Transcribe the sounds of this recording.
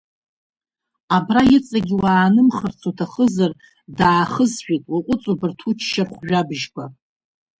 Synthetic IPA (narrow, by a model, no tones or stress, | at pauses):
abrajɪt͡sʼaɡʲiwaːnɨmχərt͡sʰotʰaχəzar | daːχəzʃᶣitʼwaqʷʼʊt͡sʼobɨrtʰut͡ʃʰʃarχʷʒᶣabʒɡʷa